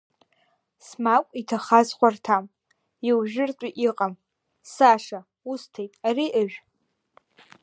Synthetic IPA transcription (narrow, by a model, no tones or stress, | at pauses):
smakʷʼitʰaχazχʷartʰam | iwʒᶣɪrt͡ʃʷʼiʔiqʼam | saʂa | ustʰejtʼariʔəʒᶣ